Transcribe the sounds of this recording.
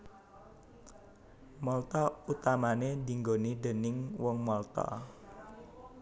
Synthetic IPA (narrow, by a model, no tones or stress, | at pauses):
mɔlt̪ɔut̪amaned̪i̤ŋɡoniɖ̪ə̤nɪŋwɔŋmɔlt̪ɔ̰